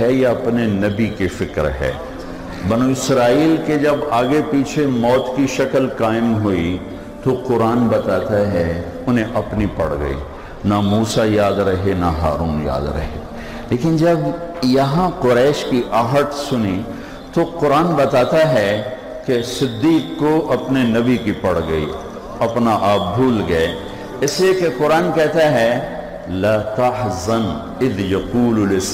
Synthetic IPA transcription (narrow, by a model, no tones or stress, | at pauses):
ɦɛjaɐpnenɐbikefɪkɾɦɛ̰ː | bɐnuːɪsɾaːiːlked͡ʒɐbaːɡepiːt͡ʃʰemɔːt̪kiʃɐkəlkaːɪmɦoi | t̪oqʊɾaːnbɐt̪aːt̪aɦɛ | ʊnɦẽʔɐpnipɐɽɡɐ̰ḭ | namuːsajaːd̪ɾɐɦenaɦa̰ːɾuːnja̰ːd̪ɾɐ̰ɦḛ | leːkɪnd͡ʒɐbjɐɦãqʊɾɛːʃkiʔaːɦət̪sʊni | t̪oqʊɾaːnbɐt̪aːt̪aɦɛ | kesɪd̪ːiːqːoʔɐpnenɐbikipɐɽɡɐḭ | ɐpnaʔaːp̚bʱuːlɡɐe | ɪsliekeqʊɾaːnkɛːt̪aɦɛ | laːt̪ɐɦzən | ɪðjɐquːllɪs